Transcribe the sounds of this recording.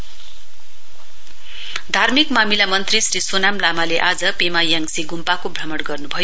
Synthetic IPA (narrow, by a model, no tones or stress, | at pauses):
d̪ʱarmikmamilamʌnt̪risrisonamlamaleʔad͡zʌpemajaŋsiɡumpakobʱɾʌmʌɽɡʌrnubʱʌjo